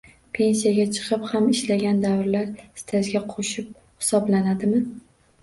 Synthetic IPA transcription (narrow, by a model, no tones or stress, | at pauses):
pʰe̞nsijaɡʲat͡ʃʰɨ̥qʰɨphamɪʃlaɡʲand̪avɾlaɾst̪ʰazɡʲaqʰoʃɪp̚ | hɪ̥sɒblanad̪ɪmɪ